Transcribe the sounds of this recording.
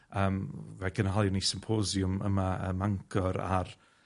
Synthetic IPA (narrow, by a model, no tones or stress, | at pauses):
əːmvɛɡənalˠjɔnisɪmpʰozjʊmə̰maə̰maŋkʰɔɾa̰r